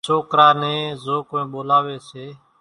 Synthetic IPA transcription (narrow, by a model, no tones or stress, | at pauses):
t͡ʃʰoːkɾaːnẽːzoːkoːẽːɓoːlaːʋeːseː